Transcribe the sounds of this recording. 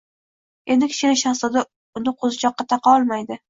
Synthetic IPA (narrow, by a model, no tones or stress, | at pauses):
e̞nd̪ɪkʲʰɪ̥ʃʲɪnɪʃaχsɑd̪a | ʊnɪqʰozɪt͡ʃʰɒqːɑt̪ʰɑqɑɒlˠmajd̪ɪ